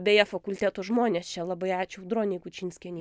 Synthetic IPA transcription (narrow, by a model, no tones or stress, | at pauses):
bʲeːjɛfɐkʊlʲt̪ʲæːt̪oʒmoːnʲeːst͡ʃʲɛlˠɐbɐɪɑːt͡ʃʲʊʊd̪ɾoːnʲɛɪkʊt͡ʃʲiːnʲsʲkʲɛnʲi